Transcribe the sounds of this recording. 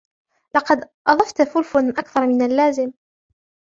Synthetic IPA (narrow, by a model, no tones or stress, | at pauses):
lɑqɑd̪ | ʔɑðˤɑft̪fʊlfʊnʔakθɑɾˤmɪnalːaːzɪm